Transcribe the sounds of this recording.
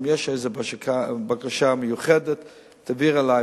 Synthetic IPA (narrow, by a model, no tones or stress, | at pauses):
mjɛʃejzəbaʃkabakaʃaməjuχɛdətː | aviʁala